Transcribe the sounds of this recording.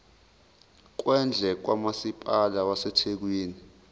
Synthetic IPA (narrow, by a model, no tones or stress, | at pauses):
k̬wɛnd͡ɮʱɛk̬wamasipʼalawasɛtʰek̬wiːni